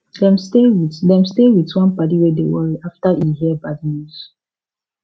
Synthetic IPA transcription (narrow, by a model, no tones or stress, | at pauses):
dɛ̃mstewidɛ̃mstewitwãnpat̬iwɛdḛwɔɹiaftaʔihiəbad̚nus